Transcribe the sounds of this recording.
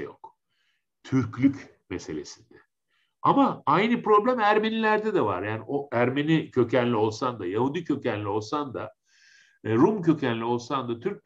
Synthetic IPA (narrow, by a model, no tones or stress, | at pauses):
jo̰k | t̪ʰyɾclʲyc | mese̞lʲe̞sind̪ɛ | amaajnɯpɾo̞blʲæmæɾmenilʲæɾd̪ɛd̪ɛva̰ɾjaːniʔoæɾmenicʰø̞cʰænlʲio̞lˠsand̪ajahud̪icʰø̞cænlʲio̞lˠsand̪a | ɾumcʰø̞cʰænlʲio̞lˠsand̪at̪ʰyɾc̚